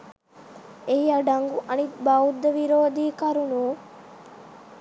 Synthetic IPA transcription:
eiɐɖɐŋɡuʔɐnit̪baud̪ːɐʋiɾoːd̪iːkɐɾunuː

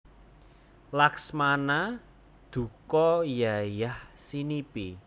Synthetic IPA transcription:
laksmana | d̪̥ṳkɔjajahsinipi

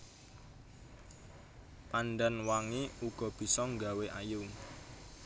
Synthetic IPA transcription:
panɖanwaŋiuɡ̥ɔ̤b̥i̤sɔŋɡa̤weʔajʊŋ

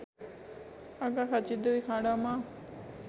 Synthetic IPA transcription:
aɡakat͡ʃid̪uʋikãːɖama

